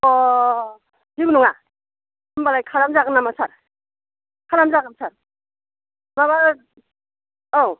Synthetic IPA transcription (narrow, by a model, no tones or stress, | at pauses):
ɔ | ziɡunuŋa | mbalajkʰaɾamzaɡɯnamasaɾ | kʰaɾamzaɡɯmsʰaɾ | maβa | aw